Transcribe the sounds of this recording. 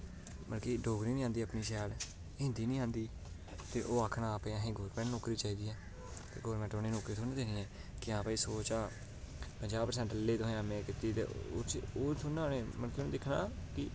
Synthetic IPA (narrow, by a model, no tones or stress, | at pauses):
mənkiːɖoːɡɾiːnĩːaːnd̪iːaːpniːʃɛːl | ɦɪ̃nd̪iːnĩːãːnd̪iː | t̪eːʔoːaːkʰnaːpeãːɦẽːɡoːɾpɛ̃nnoːkɾiːt͡ʃaːiːd̪iːɛː | t̪ḛːɡɔːɾmɛ̃ːɳʈoːneːnoːkɾiːt̪ʰːnẽːd̪eːnĩːɛ̃ː | kɪãːpaːiːsoːt͡ʃaː | pəɲd͡ʒaːbpəɾsɛ̃ɳʈəlːeːd̪oɦaːmẽːkɪt̪iːt̪ḛːt͡ʃoːt̪ʰʊnãːneːmənkenẽːd̪ɪkʰna̰ːkɪ